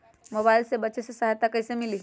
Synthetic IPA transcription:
mɔbajlsebət͡ɕesesaɦajt̪akəjsemiliː

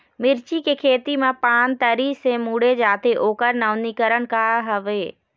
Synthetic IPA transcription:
mɪɾt͡ʃikekʰeːt̪imãpaːnt̪əɾisẽmuːɽed͡ʒaːt̪ʰeʔoːkəɾnəʋnikəɾəɽ̃kaɦɐʋeː

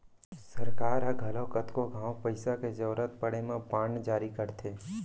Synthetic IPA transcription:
sɐɾkaːɾɐɡʱɐlokət̪koɡʱãːwpəɪsaked͡ʒɐːɾət̪̚pəɽemẽpãːɳd͡ʒaːɾikɐɾt̪ʰeː

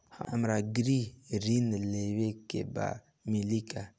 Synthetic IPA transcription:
ha̰amɾaɡɾiɾinlewekḛba̰ | milika

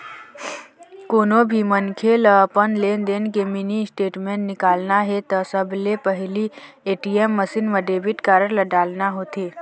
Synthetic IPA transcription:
koːnobʱimənkʰeləpənlend̪eːnkeminisʈeːʈmẽɳnɪkaːlnaɦet̪ɔsəbʱlepəɦli | eːʈiemːəsinʋəɖeːbiʈkaɾəɾləɖaːlnaɦoːt̪eː

